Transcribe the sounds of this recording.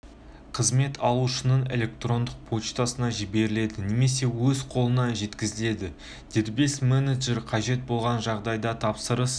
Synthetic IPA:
qʰəzme̞t̪ʰɑlˠuʃənəɴe̞̰lʲe̞k̚t̪ro̞nd̪əq̚pʰo̞t͡ʃt̪ɑsənɑʒɪbe̞ɾɪle̞d̪ɪne̞me̞se̞wɵzqʰo̞lˠənɑʒe̞t̪kʲɪzɪle̞d̪ɪ | d̪̥e̞ɾbesmeneʒeɾqʰɑʒe̞t̪̚bo̞lˠʁɑnʒɑʁd̪ɑjd̪ɑt̪ʰɑpsəɾəs

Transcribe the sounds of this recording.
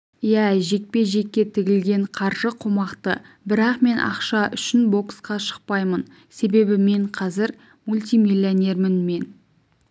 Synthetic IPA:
jæʒe̞k̚pe̞ʒe̞kʲːe̞t̪ʰɪɡʲɪlɡʲe̞ɴqʰɑɾʒəqʰomɑqt̪ə | bɪɾɑqme̞nʔɑ̰qʃɑʔʏʃɪnbo̞ksqɑʃə̥q̚pɑjmən | se̞be̞bɪme̞ɴqʰɑzɪɾ | mulʲt̪ijmilʲːianʲe̞rmɪnme̞n

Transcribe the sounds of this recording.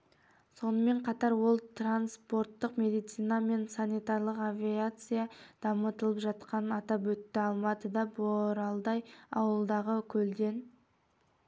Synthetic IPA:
so̞nəme̞ɴqʰɑt̪ɑɾwo̞lˠt̪ranspo̞ɾt̪ːəqmʲe̞d̪ijt̪sɨijnɑme̞nsanijt̪aɾlˠəqavʲiat̪sɨjad̪̥ɑmət̪əlˠəpʒɑt̪qɑnɑt̪ɑp̬wɵt̪ːɪɑlˠmɑt̪əd̪ɑboɾɑlˠd̪ɑjɑwəlˠd̪ɑʁəkʲʰɵld̪e̞n

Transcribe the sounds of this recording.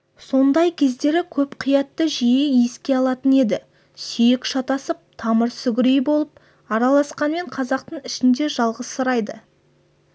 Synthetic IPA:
so̞nd̪ɑjkʲʰe̞zd̪e̞ɾɪkʲʰɵpqʰijɑt̪ːəʒijeeskʲe̞ɑlˠɑt̪əne̞d̪ɪ | sʏjɪkʃɑt̪ɑsəp̚t̪ʰɑməɾsʏɡʲɪɾejbo̞lˠəp̚ | ɑɾɑlˠɑsqɑnme̞ɴqʰɑzɑq̚t̪əɴɪʃɪnd̪e̞ʒɑlˠʁəssəɾɑjd̪ə

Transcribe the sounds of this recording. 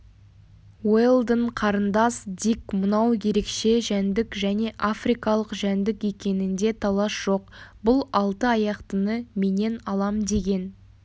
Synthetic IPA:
welˠd̪əɴqʰɑɾənd̪ɑsd̪ikmənɑwje̞ɾe̞kʃe̞ʒænd̪ɪkʒæne̞ʔafrijkɑlˠəqʒænd̪ɪke̞kʲe̞nɪnd̪e̞t̪ʰɑlˠɑsʒ̥o̞qbʊlˠɑlˠt̪əɑjɑqt̪ənəme̞ne̞nɑlˠɑmd̪e̞ɡʲe̞n

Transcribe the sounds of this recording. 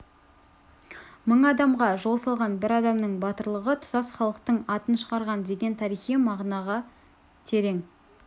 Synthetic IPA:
məɴɑd̪ɑmʁɑʒo̞lˠsɑlˠʁɑnbɪɾɑd̪ɑmnəɴbɑt̪əɾlˠəʁət̪ʰʊ̥t̪ɑsχɑlˠəqt̪əɴɑt̪ənʃəʁɑɾʁɑnd̪e̞ɡʲe̞nt̪ʰɑɾijχijmɑʁnɑʁɑ | t̪ʰe̞ɾe̞ŋ

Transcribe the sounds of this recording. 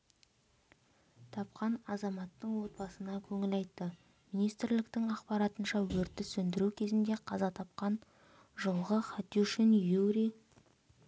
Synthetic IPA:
t̪ʰɑp̚qɑnɑzɑmɑt̪ːəɴwo̞t̪̚bɑsənɑkʲʰɵŋɪlɑjt̪ːə | minijst̪ɪɾlɪk̚t̪ɪŋɑqpɑɾɑt̪ənʃɑwɵɾt̪ːɪsɵnd̪ɪɾukʲʰe̞zɪnd̪e̞qʰɑzɑt̪ʰɑp̚qɑn | ʒolˠʁəχɑt̪iuʃɪnjuɾi

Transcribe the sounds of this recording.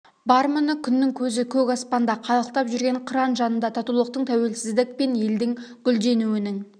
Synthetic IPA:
bɑɾmʊnəkʲʰʏnːɪŋkʲʰɵzɪkʲʰɵkɑspɑnd̪ɑqʰɑlˠəq̚t̪ɑpʒʏɾɡʲe̞ɴqʰəɾɑnʒɑnənd̪ɑt̪ʰɑt̪ulˠəq̚t̪əɴt̪ʰæwe̞lsɪzd̪ɪk̚pe̞nje̞ld̪ɪŋɡ̥ʲʏld̪e̞nuɪnɪŋ

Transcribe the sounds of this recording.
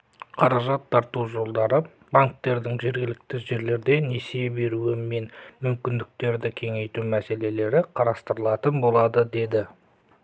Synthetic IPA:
qʰɑɾɑʒɑt̪ʰːɑɾt̪uʒo̞lˠd̪ɑɾə | baŋk̚t̪e̞ɾd̪ɪŋʒe̞ɾɡʲɪlɪk̚t̪ɪʒe̞ɾle̞ɾd̪e̞nesebe̞ɾuɪmːe̞nmʏmkʲɪnd̪ɪk̚t̪e̞ɾd̪ɪkʲʰe̞ŋe̞jt̪umæse̞le̞le̞ɾɪqʰɑɾɑst̪əɾəlˠɑt̪ənbo̞lˠɑd̪əd̪e̞d̪ɪ

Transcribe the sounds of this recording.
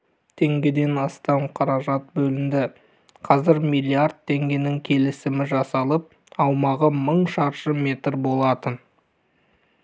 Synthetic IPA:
t̪ʰe̞ŋɡʲe̞d̪e̞nɑst̪ɑmqʰɑɾɑʒɑt̪̚bɵlɪmd̪ɪ | qʰɑzɪɾmijlʲˠiaɾd̪̚t̪ʰːe̞ŋɡʲe̞nɪŋkʲʰe̞lɪsɪmɪʒɑsɑlˠəp̚ | ɑwmɑʁəməɴʃɑɾʃəmʲe̞t̪ɾbo̞lˠɑt̪ən

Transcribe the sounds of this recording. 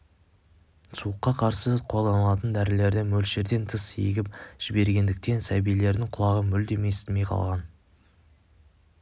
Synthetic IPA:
suəqːɑqʰɑɾsəqʰo̞lˠd̪ɑnəlˠɑt̪ənd̪æɾɪle̞ɾd̪ɪmɵlʃe̞ɾd̪e̞nt̪ʰəsḛjɡʲɪp̚ʒ̥ɪbe̞ɾɡʲe̞nd̪ɪk̚t̪e̞nsæbijle̞ɾd̪ɪɴqʰʊlˠɑʁəmʏld̪e̞mest̪ɪme̞jqʰɑ̰lˠʁɑn

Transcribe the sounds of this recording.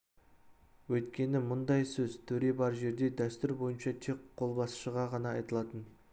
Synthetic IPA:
wɵjt̪kʲe̞nɪmʊnd̪ɑjsɵzt̪ʰɵɾe̞bɑɾʒe̞ɾd̪e̞d̪æst̪ʏɾbo̞jənʃɑt̪ʰe̞kqʰːo̞lˠbɑsəʃəʁɑʁɑnɑɑjt̪əlˠɑt̪ən

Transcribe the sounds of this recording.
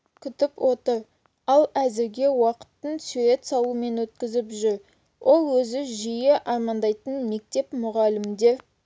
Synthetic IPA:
kʲʰʏt̪ɪpwo̞t̪əɾ | ɑlˠæzɪɾɡʲe̞wɑqə̥t̪ːəɴsuɾe̞t̪sɑlˠume̞nwɵt̪kʲɪzɪpʒʏɾ | wʔo̞lˠwɵzɪʒijɪʔɑɾmɑnd̪ɑjt̪ənme̞k̚t̪e̞pmʊʁɑlɪmd̪e

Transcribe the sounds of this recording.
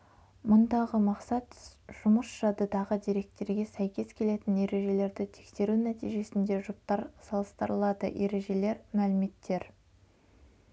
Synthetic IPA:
mʊnd̪ɑʁəmɑqsɑt̪ʒ̥ʊməsʒ̥ɑd̪əd̪ɑʁəd̪iɾe̞k̚t̪e̞ɾɡʲe̞sæjkʲe̞skʲʰe̞le̞t̪ɪnje̞ɾe̞ʒe̞le̞ɾd̪ɪt̪ʰe̥kse̞ɾunæt̪ijʒe̞sɪnd̪e̞ʒʊp̚t̪ɑɾsɑlˠəst̪əɾəlˠɑd̪ə̰ʔe̞ɾe̞ʒe̞le̞ɾmælɪme̞t̪ʰːe̞ɾ

